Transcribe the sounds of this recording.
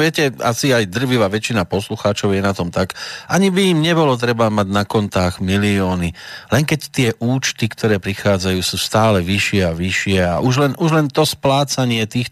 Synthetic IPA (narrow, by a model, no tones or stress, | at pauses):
ʋɪɛcɛa̰siajd̪r̩ʋiʋaːʋɛt͡ʃinapɔsluxaːt͡ʃɔʊjɛnat̪ɔmt̪akʔaɲibiːmɲɛbɔlɔt̪̬ɾɛbamaɟnakɔnt̪aːɣmiliɔːnilɛŋkɛct̪ɪɛʔuːt͡ʃt̪ikt̪ʰɔɾɛːpɾixaːd͡zajuːsuːst̪aːlɛʋiʃɪɛaʋiʃɪɛa̰ʔuʒlɛnuʒlɛnt̪ɔsplaːt͡saɲɪɛt̪iːx